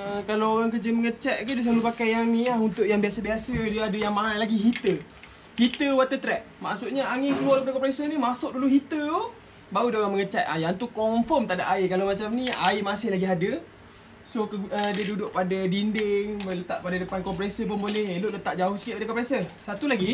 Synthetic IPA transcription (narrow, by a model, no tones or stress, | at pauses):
əkalaoɣaŋkəd͡ʒəməŋət͡ʃaʔ̪̚kadəs̬alupakajaŋniaɦunt̪ʊʔjaŋbiasabiasədiəadəjaŋmãɦanlaɡiɦit̪ə | hit̪əwat̪ət̪ɾɛʔ̚ma̰ʔsuʔɲaaŋɪkəlualpadakɔmpɾesənimasʊʔ̚duluɦit̪əo | baudaoɣaməŋət͡ʃat̪̚ajant̪ukɔmfɔmt̪aʔdaʔaikalamat͡ʃamnĩaimasɪhlaɡiɦadə | sokədiədudʊʔpadadindɪŋmələt̪aʔpadadəpankɔmpɾesəp̬ʊnbolɪheloʔlət̪aʔ̚d͡ʒaʊhsi̥kit̪ʔ̚padəkɔmpɾesəsat̪ulaɡi